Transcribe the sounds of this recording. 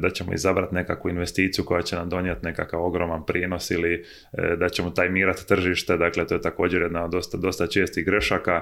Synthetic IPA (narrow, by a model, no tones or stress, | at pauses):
d̪at͡ɕemo̰ḭzabɾat̪nekakʋuinʋe̞st̪iːt̪sijuko̞jat͡ɕe̞namd̪o̞njet̪ne̞kakaʋo̞ɡɾo̞manpɾiːno̞sili | d̪at͡ɕe̞mo̞t̪aːjmiːɾat̪ːr̩ʒiʃt̪e̞d̪aːkle̞t̪ojt̪ako̞ːd͡ʑeɾjed̪naod̪ːost̪ad̪o̞st̪at͡ʃe̞ːst̪iɣɡɾe̞ʃaka